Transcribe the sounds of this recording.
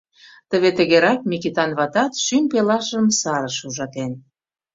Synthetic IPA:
t̪ə̆βet̪ə̆ɣeɾɑk̚mʲikit̪ɑnβɑt̪ɑt̪ʃympelɑʃəmsɑɾəʃuʒɑt̪en

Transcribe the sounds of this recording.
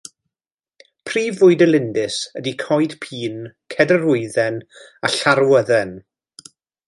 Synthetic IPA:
pʰriːvʊɨdəlˠɪndɪsədikʰɔjd̥pʰiːnkʰɛdəɾʊɨðɛnaɬaɾwəðɛn

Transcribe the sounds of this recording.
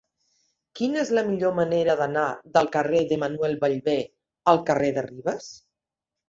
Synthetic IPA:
kinezləmiʎoməneɾəðənaðəlˠkəreðəmənwɛlˠβəʎβe | əlˠkəreðəriβəs

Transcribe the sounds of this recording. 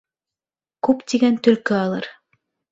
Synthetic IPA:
kʉpt̪ʲiɡænt̪ɵ̆lkøɑlˠɤɯ̰ɾ

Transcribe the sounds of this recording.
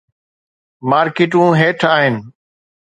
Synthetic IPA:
maːɾkɪːʈũːɦeːʈʰaːɦɪnɪ̆

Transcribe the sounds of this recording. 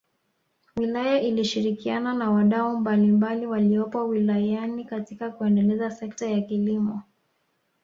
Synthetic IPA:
wilajaʔiliʃiɾikiananawaɗaumbalimbaliwaliɔpɔwilajanikatikakuɛndɛlɛzasɛk̚tajakilimɔ

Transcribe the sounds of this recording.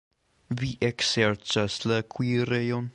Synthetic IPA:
viʔɛksɛɹt͡ʃasləkʰwiɾejɔn

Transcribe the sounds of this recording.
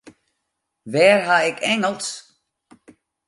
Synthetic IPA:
ʋɛːrɦaɪkʰɛŋəlˠs

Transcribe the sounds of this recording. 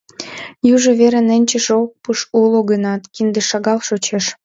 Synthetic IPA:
juʒeβeɾenĕnʲt͡ɕə̆ʃok̚puʃuloɣənɑt̪kind̪eʃɑɣɑlʃot͡ɕeʃ

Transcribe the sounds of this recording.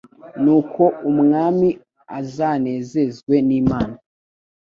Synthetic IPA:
nuːkʰo̞ʔumŋaːmi | azane̞ːze̞zɡwe̞niːmaːna

